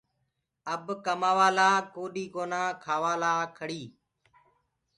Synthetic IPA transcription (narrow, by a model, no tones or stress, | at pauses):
əbkəmaːʋaːlaːkoːɗiːkoːnãːkʰaːʋaːlaːkʰəɽiː